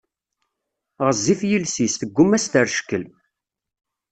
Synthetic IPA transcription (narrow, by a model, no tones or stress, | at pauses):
ʁəzːifjilsist̪əɡʷːʊmæst̪əɾʃə̥kːəl